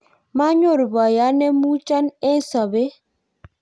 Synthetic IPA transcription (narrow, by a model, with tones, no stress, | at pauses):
ma˦ɲo˦˨ɾba˨ja˨˦nɛ˦mu˦t͡ʃa˦nɛ˦sa˨be˦